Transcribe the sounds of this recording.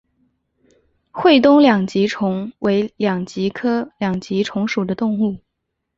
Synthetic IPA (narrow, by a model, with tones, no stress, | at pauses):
xwe˥˧ɪt̪ʊ˥ŋljɑ˨˩ŋt͡ɕi˧˥ʈ͡ʂʰʊ˧˥ŋwʔe˧˥ɪljɑ˨˩ŋt͡ɕi˧˥kʰɤ˥ljɑ˨˩ŋt͡ɕi˧˥ʈ͡ʂʰʊ˧˥ŋʂu˨˩d̪ə˦t̪ʊ˥˧ŋu˥˩